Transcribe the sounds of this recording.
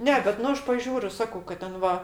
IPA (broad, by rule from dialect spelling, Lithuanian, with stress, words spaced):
ˈnʲɛ bʲɛt ˈnʊ ˈɐʃ pɐˈʒʲuːrʲʊ ˈsɑːkɐʊ kɐt ˈtʲɛn ˈʋɐ